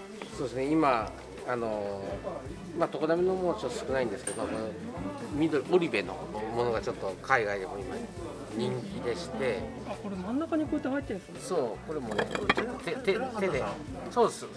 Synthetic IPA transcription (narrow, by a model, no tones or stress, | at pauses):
soːd̪e̞sɨneimaː | no̞ | mat̪okod̪aminomoot͡ɕot̪ːosɨ̥kɯ̟naĩnd̪eɨ̥ke̞d̪okonomʲid̪oɾʲiʔoɾʲibe̞no̞̰mo̞noɡat͡ɕo̞t̪ːo̞kaiɡaid̪ehoima̰ | ɲ̟ĩŋkʲid̪e̞ɕi̥t̪e̞ | ako̞ɾemãnːakaɲ̟iko̞it̪ːehait̪ːesso̞ːko̞ɾe̞mo̞ne̞̰t͡ɕot̪ːot̪et̪eed̪e | so̞ːd̪esɨ